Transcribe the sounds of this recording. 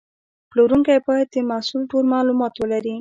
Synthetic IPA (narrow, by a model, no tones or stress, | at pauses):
ploɾuŋkajbɑjad̪̚d̪əmasulʈoɾmɑlumɑt̪wəlaɾi